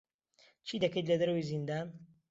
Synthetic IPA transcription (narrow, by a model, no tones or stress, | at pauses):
t͡ʃʰid̪ɐkejt̪lɐd̪ɐɾɐwizind̪an